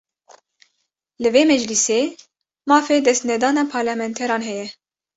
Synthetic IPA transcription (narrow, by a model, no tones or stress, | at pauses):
lɨveːmɛd͡ʒliseː | mɑːfeːd̪ɛst̪nɛd̪ɑːnɑːpʰɑːɾlɑmɛnt̪ʰɛɾɑːnɦɛjɛ